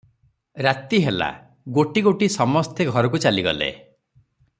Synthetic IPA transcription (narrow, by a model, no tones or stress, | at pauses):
ɾat̪iɦela̰ | ɡoʈiɡoʈisɔmɔst̪ʰeɡʱɔɾɔk̬ut͡ʃaliɡɔ̰lḛ